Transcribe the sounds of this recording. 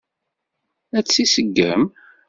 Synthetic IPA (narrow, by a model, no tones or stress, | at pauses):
æt͡sːisəɡːə̰m